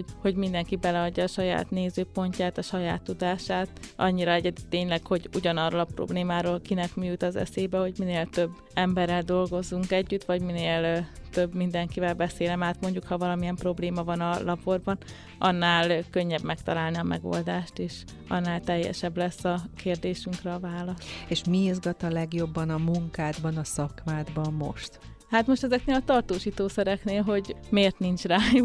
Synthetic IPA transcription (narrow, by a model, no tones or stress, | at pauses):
oho̞ɟmind̪ɛŋkibɛlɛɒɟːɒːʃɒja̰ːt̪neːzøːpo̞ɲcaːt̪ɒʃɒjaːt̪ːud̪aːʃaːt̪ɒ̰ɲːiɾɒɛɟɛd̪yt̪ːeːɲlɛkho̞ɟuɟɒnɒrːolɒpro̰bleːmaːɾoːlkinɛkmyːjut̪ɒzɛ̰seːbɛho̞ɟmineːlt̪ø̞bːɛmbɛrːɛld̪o̞lɡo̞zuŋkɛɟːyt̪ʋɒɟmineːlt̪øbmind̪ɛŋkivɛlbɛseːlɛmaːt̪mo̞ɲɟukhɒvɒlɒmiɛmpro̞bleːmɒvɒnɒlɒpo̞rbɒn | ʔɒnːaːlkø̞ɲːɛbmɛkt̪ɒlaːlniɒmɛ̰ɡo̰ld̪aːʃt̪eːʃ | ɒ̰nːaːlt̪ɛjːɛ̰ʃɛblɛsːɒkeːrd̪eːʃyŋkrɛːvaːlɒseːʃmiizɡɒt̪ɒlɛɡjo̞bːɒnɒmuŋkaːd̪bɒnɒsɒkmaːd̪bɒmːo̞̰ʃt̪ | hat̪mo̞ʃt̪ɛzɛkneːlɒt̪ɒrt̪oːʃiːt̪oːsɛɾɛkneːlɦo̞ɟmeːrt̪nint͡ʃraːjuk